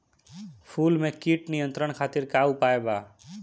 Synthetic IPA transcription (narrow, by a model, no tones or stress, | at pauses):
pʰuːlmẽkiʈnijə̃nt̪ɾəɽ̃kʰaːt̪ɪɾkaːupaːebaː